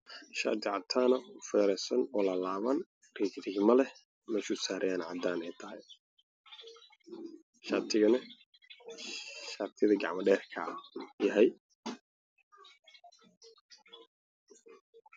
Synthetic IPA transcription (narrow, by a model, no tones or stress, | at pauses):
ʃa̰ːd̪ʰɪʕɑt̪ʰaːnɐʊfɛːɾɛsɐnɔlɐlaːβɐn | riːɡd̪ɪɡmɐlɛ | mɛʃʊsaːɾɐjaːnʕɑd̪aːnɛjt̪ʰɐɦɛj | ʃaːt̪ʰɪɣɐnɐ | ʃaːt̪ʰɪðɐɡɑ̰ʕmɐɖɛːrkʰɐ̰jɐɦɛj